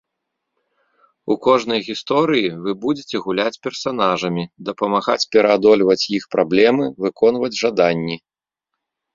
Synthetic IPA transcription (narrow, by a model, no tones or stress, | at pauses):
ukɔʐnɐjɣʲist̪ɔɾɨjivɨbud͡zʲet͡sʲɛɣulʲat͡sʲpʲɛrsan̪aʐɐmʲid̪ɐpɐmaɣa̰t͡sʲpʲɛɾɐad̪ɔlʲvɐt͡sʲjixpɾʔablʲɛmɨvɨkɔnvɐd͡zʲʐad̪anʲːi